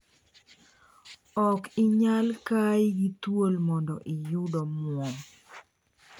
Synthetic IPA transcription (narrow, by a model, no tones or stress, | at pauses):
ɔkɪɲalkajɪɡitwolmɔndɔʔɪjʊdɔmʊɔ